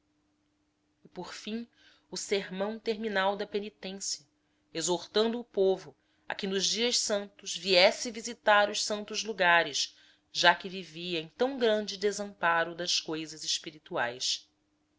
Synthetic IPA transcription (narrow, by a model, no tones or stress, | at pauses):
ɪpoɾfĩ | ʊseɾmɐ̃w̃t̪eɾminawd̪ɐpenit̪ẽsjɐ | ezoɾt̪ɐ̃nd̪ʊːpovʊ | ɐ̰kɪnʊʒd͡ʒiɐʃsɐ̃nt̪ʊzviɛsɪvizit̪aɾʊʃsɐ̃nt̪ʊzluɡaɾɪʃ | ʒakɪviviɐẽj̃t̪ɐ̃w̃ɡɾɐ̃nd͡ʒɪd̪ezɐ̃mpaɾʊd̪ɐʃkojzɐzɪʃpiɾit̪ua̰js